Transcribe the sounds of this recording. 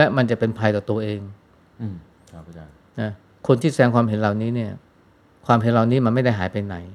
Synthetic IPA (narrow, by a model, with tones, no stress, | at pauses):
lɛ˦˥ma˧nt͡ɕa˨˩pe˧npʰa˧jt̪ɔː˨˩t̪u˧ɐʔeː˧ŋ˨˦˧ | na˦˥ | kʰo˧nt̪ʰiː˥˩sadɛː˧ŋkwaː˧mɦe˨˩˦nlaː˨˩wniː˦˥ni˥˩ɐ | kʰwaː˧mhɦe˨˦nlaː˨˩wniː˦˥ma˧nma˥˩jda˥˩jɦaː˩˦jpa˧jna˩˦j